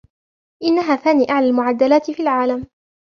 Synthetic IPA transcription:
ʔɪnːaɦaːθaːniːʔaʕlalmʊʕad̪ːalaːt̪ɪfiːlʕaːlam

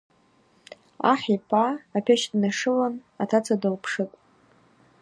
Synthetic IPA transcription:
a̰ħipʰʼaːpʰʲeʃdnaʂɨlanatʰat͡sʰadalpʰʂɨkʷʼ

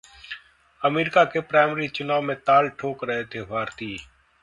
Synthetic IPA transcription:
əmeːɾɪkaːkepɾaːmːɾiːt͡ʃʊnaːʋmẽt̪aːlʈʰoːkɾəɦeːt̪ʰeʋʱaːɾt̪iː

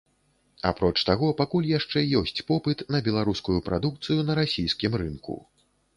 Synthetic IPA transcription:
a̰pɾɔt͡ʂt̪aɣɔpakulʲjaʂt͡ʂɛjɔsʲt͡sʲpɔpɨt̪nɐbʲɛlˠaɾuskujupɾad̪uk̚t̪sɨjunɐɾasʲijskʲimɾɨnkṵ

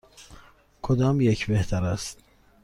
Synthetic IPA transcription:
kʰod̪ɑmjecʰbeht̪ʰæɾæst̪

